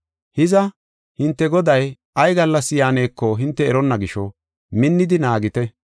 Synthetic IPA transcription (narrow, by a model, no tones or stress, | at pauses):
hɪzɐ | hɪnt̪ːɛɡɔd̪ɐj | ɐjɡɐlːɐsːɪjaːne̞ːkːɔɦɪnt̪ːɛːɾɔnːɐɡɪʃɔ | mɪnːɪd̪ɪnaːɡɪt̪ɛ